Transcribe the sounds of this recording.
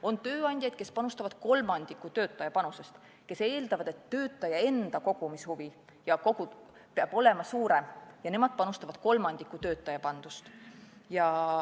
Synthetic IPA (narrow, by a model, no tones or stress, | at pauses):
o̞nt̪ø̞ːɑnʲd̥̪ʲjɑd̪̥ke̞spɑnust̪ɑvɑd̪̥ko̞lmɑnd̪̥ikːˑut̪øːt̪ˑːɑjɑpɑnuse̞st̪ | ke̞se̞ːld̪ɑvɑd̪̥e̞t̪ːø̞ːt̪ːˑɑjɑe̞nd̪̥ɑko̞ɡ̥umishuvi | jɑko̞ɡ̥u̥ | peɑb̥o̞le̞mɑsuːɾe̞mjɑnemɑd̪̥pɑnust̪ɑvɑd̪̥ko̞lmɑnd̪̥ikːˑut̪ø̞ːt̪ːˑɑjɑpɑnd̪̥ust̪jɑ